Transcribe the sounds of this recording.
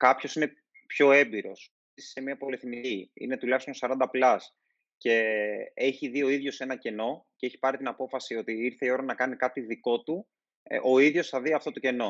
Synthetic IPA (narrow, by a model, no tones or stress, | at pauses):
kɐpço̞sine̞ | pço̞e̞mbiɾo̞s | isi̥semiɐpo̞leθniiḭne̞t̪ulɐçst̪onsɐɾɐnd̪ɐplɐs | ce̞eçiðio̞iðʝo̞se̞nɐce̞no̞ceeçi̥pɐɾit̪inɐpo̞fɐsio̞t̪iiɾθe̞io̞ɾɐnɐkɐnikɐt̪iðiko̞t̪u | ʔo̞iðʝo̞sθɐðiɐft̪o̞t̪o̞ce̞no̞